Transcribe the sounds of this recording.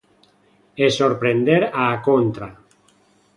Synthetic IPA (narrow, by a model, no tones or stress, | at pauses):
esoɾpɾend̪eɾaːkont̪ɾa